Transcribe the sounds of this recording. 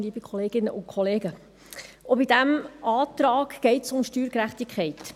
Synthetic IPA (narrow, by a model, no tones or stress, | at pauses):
liːbəkχɔleːɡ̥ɪnəʔʊnkʰχɔleːɡə | obidæmɑːtɾɑːkɡ̥ɛɪtsʊmʃtyːɾkɾæχtikʰχɛɪt